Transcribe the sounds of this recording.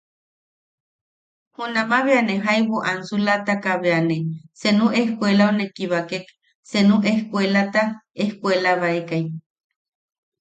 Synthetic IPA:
hunamaβeaneɦajβuʔansulat̪akaβeanesenuʔehkʷelaunekiβakek | senuʔehkʷelat̪aehkʷelaβaekaj

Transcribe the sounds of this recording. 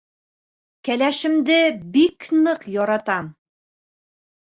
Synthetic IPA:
kælæʃɘ̆md̪ɘbiknɤqjɒɾɑt̪ɑm

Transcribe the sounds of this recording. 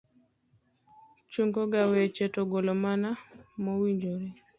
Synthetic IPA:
t͡ʃuŋɡoɡawɛt͡ʃɛtɔɡolomanamɔwiɲd͡ʒoɾe

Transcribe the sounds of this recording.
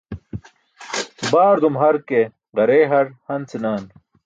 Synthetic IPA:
baːɾd̪umɦɐɾke | ʁɐɾeːɦɐɾhɐnt͡sinaːn

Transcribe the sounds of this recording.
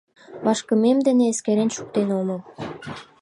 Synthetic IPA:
βɑʃkə̆memd̪ĕnĕeskeɾenʃu̥k̚t̪enomɤ̆

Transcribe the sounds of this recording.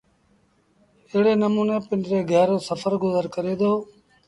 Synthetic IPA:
ɪːɽeːnəmuːneːpɪnɾeːɡʱɛːɾõːsəfʰəɾɡʊzəɾkəɾeːd̪oː

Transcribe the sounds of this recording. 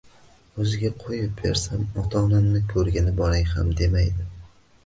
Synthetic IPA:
ɵzɪɡʲaqʰojɪp̚be̞̰ɾsamɒt̪ʰɒnamnɪkʲʰɵɾɡʲanɪbɒɾaŋha̰md̪e̞majd̪ɪ

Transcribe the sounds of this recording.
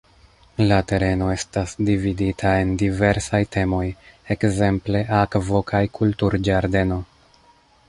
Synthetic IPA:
late̞ɾe̞no̞e̞stasdividitʰae̞ndive̞ɾsajte̞mo̞je̞kze̞mple̞ʔakvo̞kʰajkʰultuɾd͡ʒaɾde̞no̞

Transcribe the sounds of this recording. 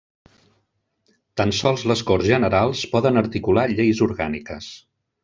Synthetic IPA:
t̪ansɔlˠzləskɔrzʒənəɾalˠspɔðənəɾt̪ikulaʎejzuɾɣanikəs

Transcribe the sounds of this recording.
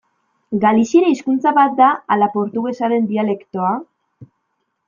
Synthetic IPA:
ɡalisieɾaiskunt͡saβat̪̚d̪aalapo̞ɾt̪uɣe̞saɾe̞nd̪iale̞kt̪o̞a

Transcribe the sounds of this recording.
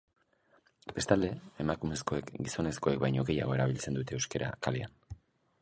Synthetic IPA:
b̥e̞st̪ald̪e̞emakume̞sko̞e̞kɡiso̞ne̞sko̞e̞k̚bajɲo̞ɣe̞ja̰ɣ̞o̞e̞ɾaβ̞ilt͡se̞nd̪ut̪e̞ːewskeɾʔa̰kalia̰n

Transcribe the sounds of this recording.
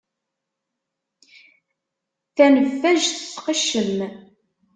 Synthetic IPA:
θænəfːæʒθə̥sːqəʃːəm

